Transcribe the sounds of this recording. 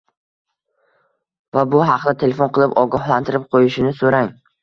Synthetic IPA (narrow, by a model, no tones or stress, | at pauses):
vabʊɦɑqd̪at̪ʰe̞lʲefonqɨlˠɪpɒɡɒhlˠant̪ʰɪɾɪp̚qʰojɪʃɪnɪsoɾaŋ